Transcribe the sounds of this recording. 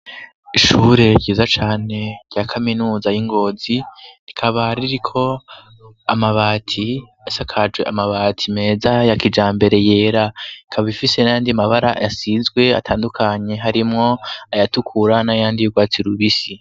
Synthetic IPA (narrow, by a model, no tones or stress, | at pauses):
iʃuːɾe̞ɟiːzat͡ʃaːne̞ɾɟakʰaminuːzajiŋɡo̞ːziikʰaβaɾiɾikʰo̞ | amaβaːtʰi | asakʰad͡ʒwe̞̰ʔamaβaːtʰime̞ːzajakid͡ʒaːmbe̞ɾe̞je̞ːɾaikʰaβaβifise̞najaːndiamaβaɾajasizɡwe̞a̰tʰaːndukʰaɲe̞ɦaɾimŋo̞ajatukʰuɾanajaːndijuɡwaːt͡siɾuβisi